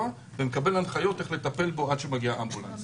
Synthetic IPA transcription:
a | vemekabe̞lanχajo̞t̪eχle̞t̪ape̞lbo̞adʃemaɡiaʔambula̰n

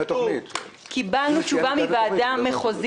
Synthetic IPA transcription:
kʰibalnut͡ʃuvamivaːdamːeχoz

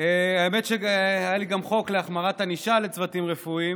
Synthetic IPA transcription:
eaeme̞tʃeajaliɡamχo̞kleaχmaʁataniʃalet͡svatimʁefuim

